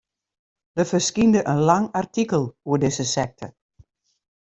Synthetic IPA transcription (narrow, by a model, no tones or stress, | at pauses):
dəfəskindəʔənlaŋartikəlˠuədɪzəsɛk̚tʰə